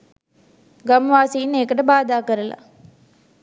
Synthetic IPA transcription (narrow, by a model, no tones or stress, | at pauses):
ɡɐmʋaːsiːnːeːkəʈəbaːd̪aːkəɾɐla̰